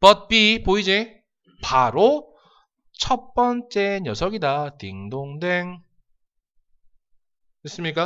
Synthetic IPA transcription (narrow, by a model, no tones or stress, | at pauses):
pʌt̚p͈ipoid͡ʑe | paɾo | t͡ɕʰʌp͈ʌnt͡ɕ͈ejʌsʰʌɡidatiŋdoŋdeŋ | es͈ɯmɲik͈a